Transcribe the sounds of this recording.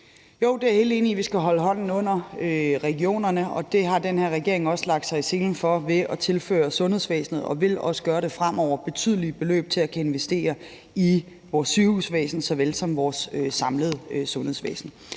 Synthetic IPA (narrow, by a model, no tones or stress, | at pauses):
jo̝ʊ̰d̥e̝æɐhe̝ːlde̝ːniʋisɡ̥æɦɒ̽ləɦɒ̽n̰n̩ɔ̽n̰ɐøʁɛɡ̥io̝̰ːnɐnəɒ̽d̥e̝ɦɑ̈d̥enheɐ̰ʁɛɡ̥e̝ɐe̝ŋɒ̽səlɑ̈ɡ̥̚d̥sɑ̈ɪse̝ːnn̩fɒ̽ʋe̝ʔɒt͡sʰe̝lfø̰ːɐsɔ̽nhe̝ðˠsʋḛːsn̩ð̞̩ˠɒ̽ʋe̝lɒ̽sə̥ɡ̥ɶːɐɾ̥e̝fʁam̰ɒʊ̰ɐb̥e̝t͡sʰy̰ð̰ˠliəb̥e̝lø̰ːb̥̚t͡sʰe̝lækʰæe̝nʋesd̥e̝̰ːɐ | i | ʋɒːsːyhusʋɛ̰ːsn̩sɒ̽ʋelsɒ̽mʋɒːsøːɑ̈mləð̞̩ˠəsɔ̽nheðˠsʋɛ̰ːsn̩